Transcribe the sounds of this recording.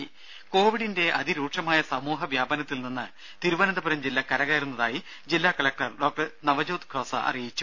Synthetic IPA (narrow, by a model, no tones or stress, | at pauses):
ko̞ːʋiɽinde̞ʔɐd̪iɾuːʈʂɐmaːjɐsɐmuːɦɐʋjaːbɐnɐt̪ːilninːɨ | t̪iɾuʋɐnɐnd̪ɐbɐɾɐmd͡ʑilːɐkɐɾɐɣaːjɾunːɐðaːji | d͡ʑilːakɐɭɐk̚ʈɐrɖo̞ːk̚ʈɐnɐʋɐd͡ʑoːt̪kʰoːsɐ̰ʔɐ̰rijit͡ɕːu̥